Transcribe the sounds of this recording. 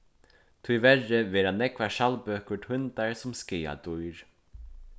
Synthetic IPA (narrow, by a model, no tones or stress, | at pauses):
t̪ʰujʋɛrəʋɛːɾanɛkʋaʃalpøːkəʈ̪ʰʏnt̪aɹsʊmskɪːa̰t̪ujɹ